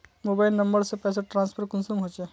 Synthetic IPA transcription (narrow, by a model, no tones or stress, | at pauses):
mobailnəmbəɾsẽpɛseʈɾãnspʰəɾkunsumɦot͡ʃɛ